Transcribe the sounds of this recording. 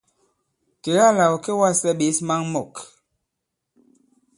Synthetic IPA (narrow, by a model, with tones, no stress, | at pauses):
te˨ɣa˦˨la˨wke˦wa˦˨sɛ˦˨ɓe˨˦sma˦ŋmɔ˨k